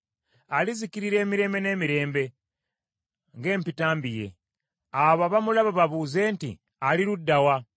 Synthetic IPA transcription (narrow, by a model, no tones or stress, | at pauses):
alizikiɾiɾe̞ːmiɾe̞ːmbe̞ne̞ːmiɾe̞ːmbe̞ | ŋɡe̞ːmpitaːmbije̞̰ | aβaβamulaβaβaβuːze̞ːntḭ | aliɾudːawa